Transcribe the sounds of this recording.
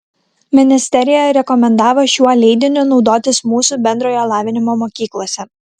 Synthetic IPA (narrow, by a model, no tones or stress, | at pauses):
mʲɪnʲɪsʲt̪ʲɛɾʲɪjɛɾʲɛkɔmʲɛnd̪ɑːʋoːʃʲuɔlʲɛɪd̪ʲɪnʲʊnɒʊd̪oːt̪ʲɪsmuːsubʲɛnʲd̪ɾoːjoːlˠɑːʋʲɪnʲɪmoːmɔːkʲiːklˠoːsʲɛ